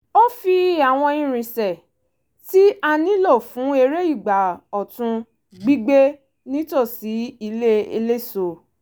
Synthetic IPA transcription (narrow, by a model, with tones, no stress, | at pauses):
o˦fi˧a˨w̃ɔ̃˧ĩ˦ɾ̃ĩ˧sɛ˨ | ti˦a˧nĩ˦lɔ˦˨fũ˨˦e˧ɾe˦i˦˨ɡ͡ba˨ɔ˨tũ˧ | ɡ͡bi˦ɡ͡be˦ | nĩ˦to˦˨si˨˦i˧le˦ḛ˧le˦so˧˨